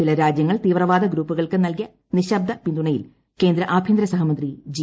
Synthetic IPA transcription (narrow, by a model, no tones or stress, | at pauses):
ilɐɾaːd͡ʑjɐŋːɐɭt̪iːʋrɐʋaːd̪ɐɡɾuːpːuɣɐɭkɨnɐlk̬ijɐ | niɕɐb̚d̪ʱɐpind̪uɳɐjḭl | ke̞ːnd̪ɾɐʔaːbʱjind̪ɾɐsɐɦɐmɐnd̪rid͡ʑi